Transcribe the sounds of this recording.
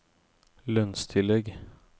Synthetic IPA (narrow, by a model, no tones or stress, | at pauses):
lœnst̪ʰɪlːɛɡ